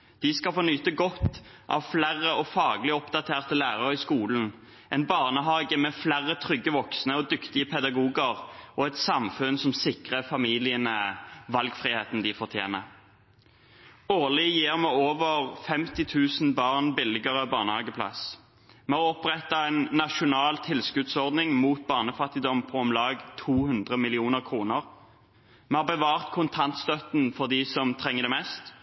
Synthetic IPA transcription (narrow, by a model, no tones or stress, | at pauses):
d̪̥ɪskɑfɔnyːt̪əɡɔt̪ːʔɑ̰ʋflærːəɔfɑːɡəlɪɔpd̪ɑt̪ʰeːʁt̪əlæːʁəʁɪskuːln̩ | ɛnbɑːʁnəɦɑːɡəmɛflæʁət̪ʰʁʏɡːəʋɔksnəɔd̪ʏkt̪ɪəpʰɛd̪ɑɡuːɡəʁʔɔɛt̪sɑmfʉnsɔmsɪkʁəfɑmiːlɪənəʋɑlɡfʁɪheːt̪n̩d̪ɪfɔʁt̪ʰjḛːnə | oːlɪjiːʁmɛoːʋəʁfɛmt̪ɪt̪ʰʉːsn̩bɑːʁnbɪlɪɡəʁəbɑːʁnəhɑːɡəpʰlɑ̰s | mɛoɔpʁɛt̪ːɑɛnːɑʃʊnɑːlt̪ʰɪlskʉd̪sɔʁd̪nɪŋmuːt̪̚bɑːʁnəfɑt̪ːɪd̪ɔmpʰɔɔmlɑːɡt̪ʰuːhʉnd̪ʁəmɪlɪuːnəʁkʰʁuːnəʁ | mɛɑːʁbəʋɑːʁt̪kʰʊnt̪ʰɑnt̪st̪œt̪n̩fɔʁd̪ɪsɔmt̪ʰʁɛŋːəd̪ɛmɛst̪